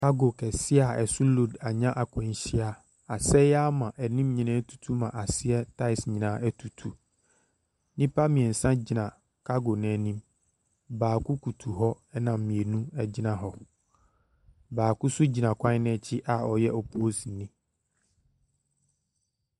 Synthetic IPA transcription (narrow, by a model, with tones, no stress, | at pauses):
ka˦ɡo˨kʰɛ˨sɪ˦a˨ɛ˨sʊ˦lo˨da˨ɲã˦ʔa˨kʰʷɛ̃˨n˦ɕi˦a˨ | a˨sɛ˦a˦mã˨ʔæ˨nĩ˦mɲĩ˨nã˦tʰu̥˨tʰu˦mã˨ʔa˨sɪ˦ɛ˦tʰa˦ɪ˨sɲĩ˨nã˨˦æ˦tʰu˨tʰu˨ | nĩ˦pa˦mĩ˨ɛ˨n̩˨sã˦d͡ʑi˨nã˨ | kʰa˦ɡo˨nɛ̃˨nĩ˦m | baː˨kʊ˦kʰu˨tʰu˨ɦɔ˦ | ɛ˦nã˨m˨mĩ˨e˨nũ˦ɛ˦d͡ʑɪ˦nã˨ɦɔ˨ | baː˨kʊ˦sʊ˦d͡ʑi˨nã˨kʰʷã˦nɛ̃˦˨t͡ɕʰɪ˦ʔa˨ɔ˨jɛ˦ʔɔ˨pʰo˦o˦si˨nĩ˦